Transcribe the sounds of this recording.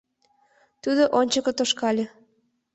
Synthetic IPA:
t̪ud̪oʔonʲt͡ɕəkŏt̪oʃkɑlʲe

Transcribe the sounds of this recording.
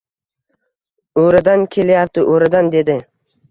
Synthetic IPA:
oɾɪd̪ankʲʰe̞lajap̚t̪ʰɪʔoɾɪd̪and̪e̞d̪ɪ

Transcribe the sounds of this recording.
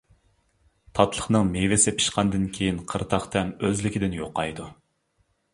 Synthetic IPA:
t̪ʰɑt̪ʰlˠəχnɨŋmevɪsɪpʰi̥ʃqʰɑnd̪ɨnkʲʰejinqʰəɾt̪ʰɑχt̪ʰɛmøzlɪkʲʰid̪ɪnjoqːɑjd̪u

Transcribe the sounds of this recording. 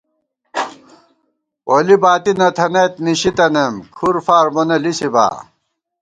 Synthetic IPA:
olibaːt̪inɐt̪ʰɐnɐt̪̚niɕit̪ɐnɐmkʰuɾfaːɾmonɐlisiba̰ː

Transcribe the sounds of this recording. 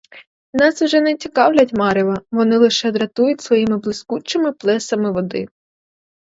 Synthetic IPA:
nɑswʒɛnɛt͡sʲikɑwlʲɐtʲmɑɾʲɪʋɐʋɔnɪlˠɪʃɛd̪ɾɐt̪ujʊtʲsʋɔjimɪblˠɪskut͡ʃɪmɪplˠɛsɐmɪʋɔd̪ɪ̰

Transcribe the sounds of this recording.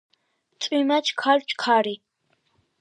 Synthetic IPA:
t͡sʼimat͡ʃʰkʰalt͡ʃʰʼkʰaɾi

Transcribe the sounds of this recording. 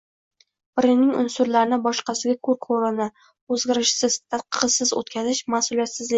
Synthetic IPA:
b̥ɪɾɪnɪŋʊ̰nsʊɾlaɾɪnɪbɒʃqɑsɪɡʲakʰɵɾqʰoɾana | ɵzɡʲɪɾɪʃsɪz̥t̪ʰat̪̚qə̥ʁɨsɪzɵ̰t̪kʲʰazɪʃmasulˠijat̪sɪzlɪ

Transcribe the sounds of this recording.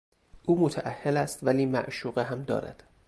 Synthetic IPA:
ʔuːmot̪ʰæʔæhːelæst̪væliːmæ̰ʔʃuːɣeɦæmd̪ɒ̰ːɾæ̰d̪̥

